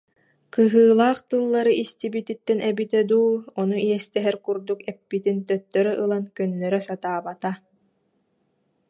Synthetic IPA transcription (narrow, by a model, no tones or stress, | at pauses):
kɯɦɯːlˠaːχt̪ɯlˠːaɾɯʔist̪ibit̪it̪ːɛnʔɛbit̪ɛd̪uːɔnuiɛst̪ɛɦɛɾkuɾd̪ukɛpːit̪int̪œt̪ːœɾœʔɯlˠankœnːœɾœsat̪aːbat̪a